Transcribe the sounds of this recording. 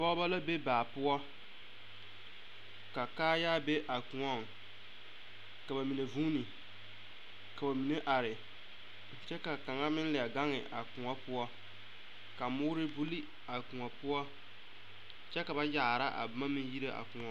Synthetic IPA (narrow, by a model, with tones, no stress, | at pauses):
a˨bɔ˦ba˦la˦be˦baː˨pʊ˦ɔ˦ | ka˨kaː˦jaː˦be˦ʔa˨kʊ˨ŋɔ˦˨ŋ | ka˨ba˨mi˨ne˨vuː˦ni˨ | ka˨ba˨mi˨ne˦ʔa˨ɾɪ˨ | t͡ʃɛ˦ka˨ka˨ŋa˦mɪ˦n˦lɪ˨a˨ɡa˦ŋɪ˨ʔa˨kʊ̃˨ŋɔ˦pʊ˦ɔ˦ | ka˨mʊː˦ɾɪ˦bu˦li˦ | a˨kʊ̃˨ŋɔ˨pʊ˦ɔ˦ | t͡ʃɛ˦ka˨ba˦ja˨ɾa˦ʔa̰˨ma˦mɪ˦ji˦ɾe˦ʔa̰˨kʊ˨ŋɔ˦